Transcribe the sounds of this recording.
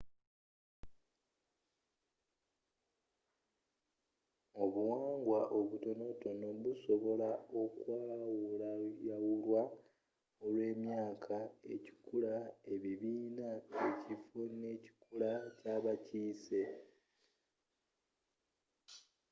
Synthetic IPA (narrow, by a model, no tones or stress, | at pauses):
o̞βuwaːŋɡwaʔo̞βuto̞no̞to̞no̞βuso̞βo̞lao̞kwaːwulajawulwa | o̞lwe̞ːmjaːkʰae̞ci̥kulae̞βiβiːnaecifone̞ːci̥kulacaːβaciːse̞